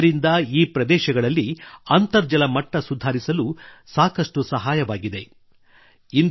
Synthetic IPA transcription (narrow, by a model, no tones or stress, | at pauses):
ɾind̪ɐiːpɾɐd̪ɛːʃɐɡɐɭɐlːiɐnt̪ɐɾd͡ʒɐlɐmɐʈːɐsud̪ʱaːɾisɐlusaːkɐʂʈusɐɦaːjɐʋaːɡid̪e̞ | in